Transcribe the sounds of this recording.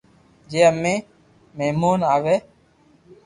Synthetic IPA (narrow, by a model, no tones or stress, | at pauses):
d͡ʒeːəmẽː | meːmuːnaːʋeː